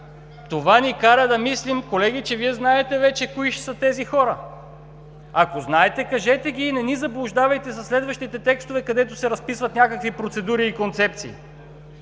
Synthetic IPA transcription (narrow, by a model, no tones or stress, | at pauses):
t̪ovanikaɾɐd̪ɐmislimkolɛɡit͡ʃɛviɛznaɛt̪ɛvɛt͡ʃɛkoiʃsət̪ɛzixɔɾɐ | akoznaɛt̪ɛkɐʒɛt̪ɛɡ̟ʲiːnɛnizɐblˠʊʒd̪avɐjt̪ɛs̬ɐslɛd̪vɐʃt̪it̪ɛt̪ɛkst̪ovɛkɐd̪ɛt̪ʊsɛɾɐspisvɐt̪nʲakəkvipɾot̪sɛd̪uɾiːkont̪sɛp̚t̪sḭː